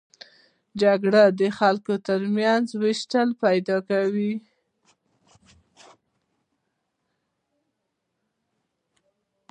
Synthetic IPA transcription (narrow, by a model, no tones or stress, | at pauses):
d͡ʒaɡɽad̪əxalkot̪əɾmjanzwɪʃʈalpajd̪ɑkawi